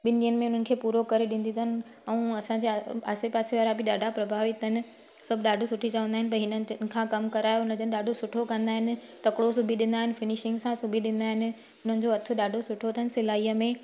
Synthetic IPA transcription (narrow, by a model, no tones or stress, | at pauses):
ɓɪnɗiənɪ̆mẽʊn̤ənɪ̆kʰeːpuːɾokɐɾeɗɪ̃ːn̆d̪inənɪ̆ | ɛ̃ũːɐsãɲd͡ʑeaːsepaːseʋaːɾabɪɗaːɖʱapɾɐbʱaːʋɪt̪ɦɪnɪ̆ | sɐbʱɪɗaːɖʱosʊʈʰit͡ɕɐʋə̃nd̪aːɦɪnɪ̆pɐɦɪnənɪn̆kʰãːkɐmkɐɾaːjoʊnəd͡ʑənɪɗaːɖʱosʊʈʰokɐ̃nd̪aːɦɪnɪ̆t̪ɐkɽosʊbʱiɗɪ̃nd̪aːɦɪnɪfɪnɪʃɪ̃ŋɡsãsʊbʱiɗɪ̃n̆d̪aːɦɪnɪ̆ | ʊn̤ənɪ̆d͡ʑoɐt̪ʰʊ̆ɗaːɖʱosʊʈʰot̪ʰəɦənɪsɪlaːiːəmẽ